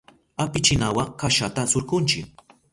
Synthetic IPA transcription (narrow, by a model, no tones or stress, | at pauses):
apɪt͡ʃɪnawakaʃat̪asoɾkʊnt͡ʃɪk̚